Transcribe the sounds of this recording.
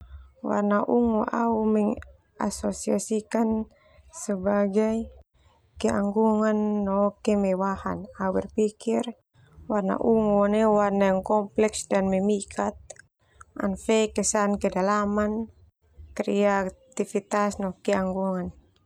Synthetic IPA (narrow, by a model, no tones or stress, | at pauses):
wa̰rnaʔuŋuʔaumɛŋ | a̰sɔsiasikan | səbaɡaj | kɛʔa̰ŋɡuŋanːɔkɛmɛwaha̰nawɛrpikir | warna̰ʔuŋɔnɛwarnajaŋkɔmplɛksdanmɛmikʰat̪̚ | ʔa̰nfɛkɛsankɛdalaman | kɾɛat̪ifit̪asnɔkɛaŋɡuŋan